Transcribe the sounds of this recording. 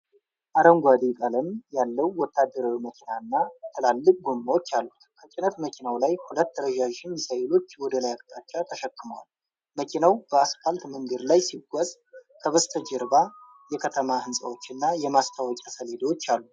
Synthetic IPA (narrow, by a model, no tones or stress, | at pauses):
ʔaɾəŋɡʷad̪ikʼələmjalːəwwɔt̪ʰːad̪ːəɾawiməkʰinaɨnːat̪ʰəlalːɨkʼɡomːawot͡ʃːalːut̪kʰət͡ʃʼɪnət̪məkʰinawlajhulət̪ːəɾəʒaʒɪnsəjlo̞t͡ʃːwɔd̪əlajakʼt̪ʼat͡ʃːat̪ʰəʃəkːɨməwa̰l | məkʰinawb̥əasfalt̪mɨŋɡəɾlajsiɡʷɔzʼ | kʰəβəst̪ʰəd͡ʒɾba | jɛkʰət̪ʰəmahɨnsʼa̰wo̞t͡ʃːɨnːajɛmast̪ʰawɔt͡ʃʼasəled̪wot͡ʃːalːu